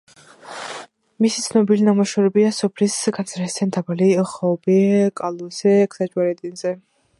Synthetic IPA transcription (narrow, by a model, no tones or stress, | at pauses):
misit̪sʰnɔbilinamɔʃɛɾɛbiasɔpʰlisɡansʰɾasd̪ʰɛnd̪abaliχɔbɛkʼalˠusɛkʰsad͡ʒʼwaɾɛt̪ʼinzɛ